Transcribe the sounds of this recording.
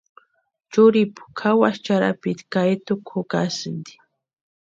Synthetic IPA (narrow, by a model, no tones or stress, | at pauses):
t͡ʃʊɾipʊ̥kʰawaʃt͡ʃaɾa̰pɪt̪kajt̪ʊkʰʊkasɨnd̪i̥